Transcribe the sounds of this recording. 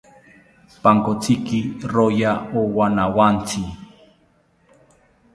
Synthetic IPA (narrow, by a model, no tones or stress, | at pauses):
paŋkot͡sikiɾojaowanawant͡si